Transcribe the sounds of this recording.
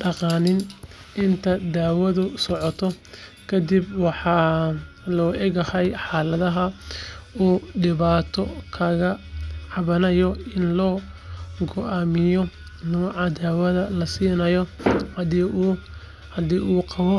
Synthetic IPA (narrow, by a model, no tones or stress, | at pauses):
ɖɑqɑːnɪn | ʔɪnt̪ʰɐd̪aːwɐðʊsɔʕɔt̪ʰɔ | kʰɐd̪ɪbwɑħɑː | lɔːʔɛɣɐhɛjħɑːlɐðɐɦɐ | uːɖɪβaːt̪ʰɔkʰɐɣɐʕɑβɐnɐjɔɪnlɔːɡɔʔaːmɪjɔ | nɔːʕɑd̪aːwɐðɐlɐsiːnɐjɔhd | ɐd̪iːʔuːqɑβɔ